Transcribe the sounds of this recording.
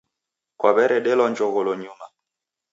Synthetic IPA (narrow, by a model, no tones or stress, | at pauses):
kwaβɛɾɛɗɛlɔnd͡ʒɔɣɔlɔɲuma